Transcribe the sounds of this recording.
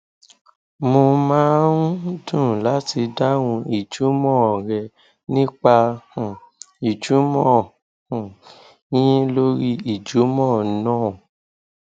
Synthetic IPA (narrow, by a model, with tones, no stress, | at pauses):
mõ˧mãː˦n̩˦dũ˦˨la˨˦ti˧da˦wũ˧i˨d͡ʒu˨˦mɔ̃˦˨ɾɛ˧ | nĩ˦k͡pa˧h | i˨d͡ʒu˨˦mɔ̃˦˨ | hũ˨ | jĩ˦lo˦ɾi˦i˨d͡ʒu˨˦mɔ̃˦˨˦nãː˦˨